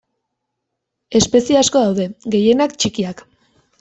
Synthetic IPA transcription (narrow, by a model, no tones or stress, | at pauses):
e̞spe̞sieasko̞ðawðe̞ɡe̞je̞nakt͡ʃikiak